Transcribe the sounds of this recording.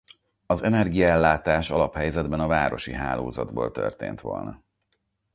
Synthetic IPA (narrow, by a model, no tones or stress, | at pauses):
ɒzɛnɛrɡijɒɛlːaːt̪aːʃɒlɒphɛjzɛd̪bɛnɒvaːɾo̞ʃiɦaːloːzɒd̪boːlt̪ø̰rt̪ḛːnt̪ʋo̞̰lnɒ